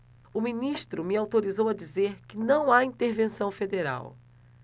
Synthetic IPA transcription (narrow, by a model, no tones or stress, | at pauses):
ʊmĩniʃt̪ɾʊmɪawt̪oɾizowɐd͡ʒizeɾkɪnɐ̃w̃aĩnt̪eɾvẽsɐ̃w̃fed̪eɾa̰w